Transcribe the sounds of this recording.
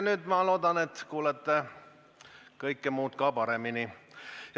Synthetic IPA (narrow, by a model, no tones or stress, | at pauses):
nyːd̪mɑlo̞ːd̪ɑnet̪kuːlet̪ːe | kɤjkːemuːt̪kɑpɑɾeminij